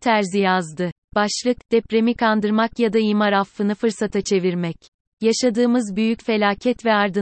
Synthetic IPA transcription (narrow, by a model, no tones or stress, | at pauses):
t̪ʰæɾzijazd̪ɯ | b̥aʃlˠɯkd̪̥ɛpɾemikʰand̪ɯɾmakjad̪aimaɾafːɯnɯfɯɾsat̪ʰat͡ʃʰe̞viɾmɛc | jaʃad̪ɯːmɯzbyjycfe̞lʲaːcʰɛt̪vɛaɾd̪ɯ